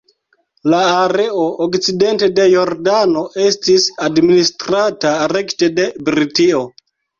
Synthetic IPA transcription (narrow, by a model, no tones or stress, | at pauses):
laːɾe̞ookt͡side̞nte̞de̞jo̞ɾdano̞ʔe̞stisadministɾataɾe̞kte̞de̞bɾitio̞